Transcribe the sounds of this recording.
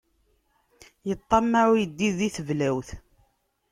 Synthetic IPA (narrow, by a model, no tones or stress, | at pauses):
jət̪ˤːɑmːaujəd̪ːiðiθəvlæwθ